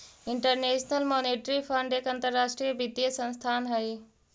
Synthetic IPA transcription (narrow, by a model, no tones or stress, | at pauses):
ɪɳʈəɾneːʃnəlmoːneːʈɾipʰəɳɖekɐ̃nt̪əɾːaːʃʈɾijəbid̪ijəsə̃nst̪ʰaːnɦɐe